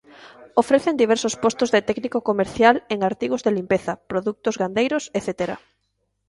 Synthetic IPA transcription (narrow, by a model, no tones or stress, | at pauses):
ofɾeθend̪iβ̞ɛɾsospost̪ʊzðet̪ɛknikokomeɾθjaleŋaɾt̪iɣozðelimpeθɐpɾoðuk̚t̪ʊzɣand̪ejɾʊseθet̪eɾa̰